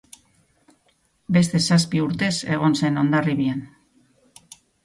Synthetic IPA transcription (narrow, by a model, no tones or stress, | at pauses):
be̞st̪e̞saspiuɾt̪e̞se̞ɣ̞o̞nse̞no̞nd̪ariβian